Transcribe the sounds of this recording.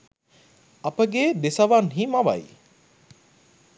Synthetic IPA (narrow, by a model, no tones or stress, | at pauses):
ɐpəɡeːd̪esɐʋanɦimɐʋɐ̰j